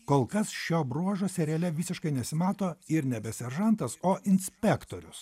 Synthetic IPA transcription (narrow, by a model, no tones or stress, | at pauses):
koːlˠkɐsʃʲoːbɾuɔʒoːsʲɛɾʲɛlʲɛʋʲiːsʲɪʃkɐɪnʲɛsʲɪmɑːt̪oːɪɾnʲɛbʲɛsʲɛɾʒɐnt̪ɐsoːʔɪnʲsʲpʲɛkt̪oːɾʲʊs